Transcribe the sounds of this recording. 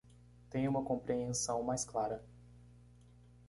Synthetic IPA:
t̪ẽj̃ũmɐkõmpɾeẽsɐ̃w̃majsklaɾɐ

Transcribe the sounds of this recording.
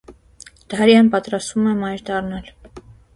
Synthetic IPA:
d̪̥ɑɾjɑnpɑt̪ɾɑst̪vumɛmɑjɾd̪ɑrnɑl

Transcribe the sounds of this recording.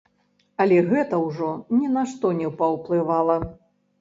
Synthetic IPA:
ɐlʲɛɣɛt̪ɐwʐɔnʲɛnaʂt̪ɔnʲɛpɐwplˠɨvalˠɐ

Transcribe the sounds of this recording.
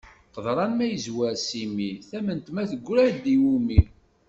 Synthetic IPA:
qəðˤɾˤɑnmæjəzwæɾsimiθæmənt̪mæθəɡʷːɾæɾd̪iwumi

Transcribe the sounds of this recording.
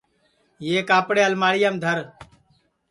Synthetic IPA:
jeːkaːpɽeːəlmaːɽɪjəmd̪ʱəɾ

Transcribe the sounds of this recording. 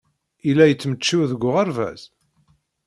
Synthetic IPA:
ilːæjət͡sːmət͡ʃːiwðəɡʷːʊʁəɾvæ̰z̥

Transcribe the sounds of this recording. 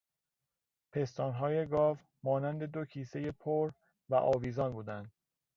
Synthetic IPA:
pʰe̞st̪ɒːnɦɒːje̞ɡɒːv | mɒːnænd̪e̞d̪o̞cʰiːse̞je̞pʰoɾ | væʔɒːviːzɒːnbuːd̪ænd̪̥̚

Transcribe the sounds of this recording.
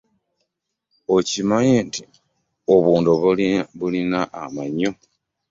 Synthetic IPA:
ocimaɲenti̥ | oβuːndoβulinaʔamaɲːo̞

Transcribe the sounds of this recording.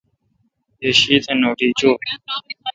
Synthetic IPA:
eːʃiːt̪ẽːnoːʈiːt͡ʃoː

